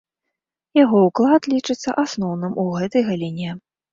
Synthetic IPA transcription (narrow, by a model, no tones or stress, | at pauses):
jaɣɔuklˠat̪lʲit͡ʂɨt̪sːɐ̰ʔasnɔwnɨmuɣɛt̪ɐjɣalʲinʲɛ